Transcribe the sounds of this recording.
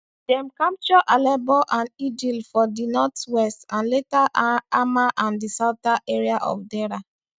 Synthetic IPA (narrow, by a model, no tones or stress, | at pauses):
dɛ̃mkãmp̚t͡ʃɔʔalɛbɔʔãnidilfɔdinɔtwɛstãnletaʔaamaʔãndisaʊtaʔeɹiaʔɔ̰fdɛɾa